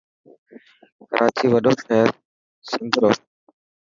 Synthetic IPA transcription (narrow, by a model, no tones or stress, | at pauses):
kə̰ɾʔaːt͡ʃiːʋəɗoːkʰeːɾ | sənd̪ɾoː